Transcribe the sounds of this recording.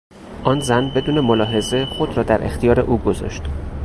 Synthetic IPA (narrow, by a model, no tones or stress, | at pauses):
ʔɒːnzænbe̞d̪uːne̞molɒːɦe̞ze̞xo̞d̪ɾɒːd̪æɾʔext̪ʰijɒːɾe̞̰ʔuːɡozɒ̰ʃt̪